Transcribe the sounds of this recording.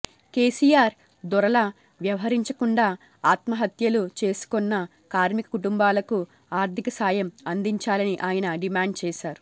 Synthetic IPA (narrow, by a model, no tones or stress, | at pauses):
keːsijaːɾ | d̪ɔɾɐlɐ | ʋjɐʋɐɦɐɾiɲt͡ʃɐkuɳɖaː | aːt̪mɐɦɐt̪jɐlut͡ʃe̞ːsu̥kɔnːɐ | kaːɾmikɐ̥kuʈumbaːlɐku | aːɾt̪ʰikɐsaːjɐmɐnd̪iɲt͡ʃaːlɐniʔaːjɐnɐɖimaːɳɖ̚t͡ʃɛːʃaːɾu̥